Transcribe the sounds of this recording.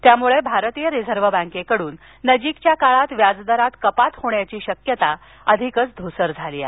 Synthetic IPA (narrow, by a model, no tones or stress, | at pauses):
t̪jamuɭebʱaɾt̪ijəɾid͡zʱəɾʋəbãŋkekəɽuːnː | əd͡ʑikt͡ɕjakaɭat̪ʋjad͡zd̪əɾat̪kəpat̪hoɳjat͡ɕiːɕəkjət̪a | əd̪ʱikət͡sd̪ʱusəɾd͡zʱalia̰